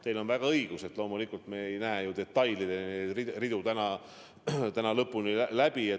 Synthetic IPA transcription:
t̪elo̞nvæɡ̥ɑɤjɡ̥use̞t̪ˑlo̞ːmulikːˑult̪meejnæejud̪e̞t̪ːɑjlid̪̥eneririd̪ut̪ænɑ | t̪ænɑlɤpːˑunilæb̥ie

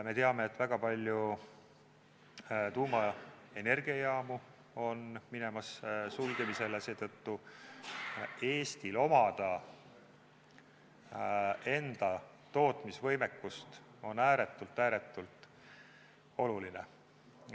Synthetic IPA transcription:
me̞t̪e̞ɑme̞ːt̪ːˑvæɡ̥ɑpɑlʲju | t̪uːmɑe̞ne̞rɡ̥iɑjɑːmu | o̞nmine̞mɑssulɡ̥emise̞lese̞ːt̪ɤt̪ːu | e̞ːst̪ilo̞mɑd̪̥ɑ | e̞nd̪̥ɑ | t̪o̞ːt̪misvɤjmekːust̪ | o̞næːɾet̪ːˑult̪ːˑæːɾe̞t̪ːˑult̪ˑ | o̞luline

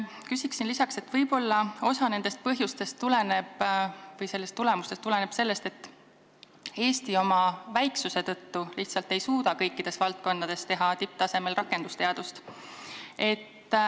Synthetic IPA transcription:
kysiksinlisɑkse̞t̪vɤjbo̞lːɑo̞sɑne̞nd̪̥e̞st̪̚pɤɦjust̪e̞st̪ːule̞ne̞b̥vɤjse̞lːe̞st̪ːule̞must̪e̞st̪ːule̞ne̞b̥se̞lːe̞st̪e̞t̪ːˑ | e̞ːst̪io̞mɑvæjksuse̞t̪ɤ̞t̪ːuliht̪sɑlt̪e̞jsuːd̪ɑkɤjkːˑid̪̥e̞svɑlt̪̚ko̞nːɑd̪̥e̞st̪e̞ɦɑt̪ip̚t̪ɑse̞me̞lrɑkːˑe̞nd̪ust̪e̞ɑd̪̥ust̪ | e̞t̪ː

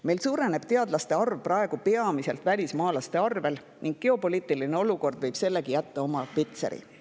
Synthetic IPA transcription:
me̞jlsuːɾe̞ne̞b̥t̪e̞ɑd̪̥lɑst̪e̞ɑrvprɑeɡ̥upe̞ɑmise̞lt̪ˑvælʲismɑːlɑst̪e̞ɑrve̞l | niŋɡ̥̚ɡ̥e̞o̞po̞liːt̪ːˑiline̞o̞luko̞rd̪̥vɤ̞jb̥se̞lːe̞ɡijæt̪ːɑo̞mɑpit̪sḛɾḭ

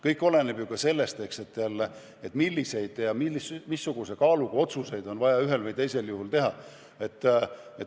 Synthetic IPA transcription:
kɤjkːˑo̞le̞neb̥jukɑse̞lːe̞st̪e̞kse̞t̪ːeɑlːe | et̪milːise̞jd̪̥jɑmimisːuɡ̥usekɑːluɡ̥uo̞t̪suse̞jd̪o̞nvɑjɑyɦe̞lvɯjt̪e̞jse̞ljuhult̪e̞ɦɑ | e̞t̪ːˑe

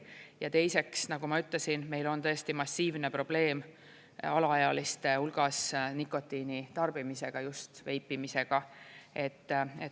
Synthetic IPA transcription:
jɑt̪e̞jse̞ksnɑɡ̥umɑyt̪ːˑlesinme̞jlo̞nt̪ɤ̞st̪imɑsʲːiːvne̞pro̞b̥le̞ːm | ɑlɑɑjɑlist̪e̞ulɡ̥ɑsnikːo̞t̪ːˑinit̪ɑrb̥imise̞ɡ̥ɑjust̪ve̞jpːimise̞ɡ̥ɑe̞t̪ːḛ

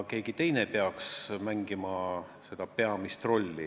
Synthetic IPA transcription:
ke̞ːɡ̥it̪e̞jnepeɑksmæŋɡ̥imɑ | se̞d̪̥ɑpe̞ɑmist̪ro̞lʲːi

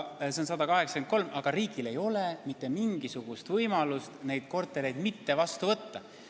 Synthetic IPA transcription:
se̞onsɑd̪ɑkɑɦe̞ksɑ̥ken̚ko̞lmɑɡ̥ɑɾiːɡ̥ile̞jo̞lemit̪ˑːe̞miŋɡ̥isuɡ̥ust̪vɤjmɑlust̪ne̞jd̪̥̚ko̞rt̪ːˑeɾe̞jd̪̥mit̪ːe̞vɑst̪uvɤt̪ːɑ

